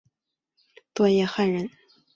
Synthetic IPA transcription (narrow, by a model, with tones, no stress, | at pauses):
t̪wɔ˥˧jɛ˥˧xa˥˩nɻə˧˥n